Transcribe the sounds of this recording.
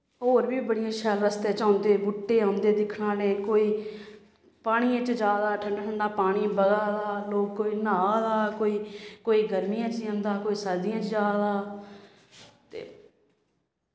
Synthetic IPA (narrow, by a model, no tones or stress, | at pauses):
ɦoːɾbiːbəɽɪjãːʃɛːlɾəst̪eːt͡ʃãːnd̪eːbʊʈːeːãːnd̪eːd̪ɪkʰɽãːneːkoːiː | paːɽ̃iːãt͡ʃd͡ʒaːd̪aːʈʰəɳɖaːʈʰəɳɖaːpaːɽ̃iːbəɡaːd̪aːloːɡkoːiːnaːd̪aːkoːiːkoːiːɡəɾmijãːt͡ʃːãːnd̪aːkoːiːsəɾd̪ɪjãːt͡ʃd͡ʒaːd̪aː | t̪ḛː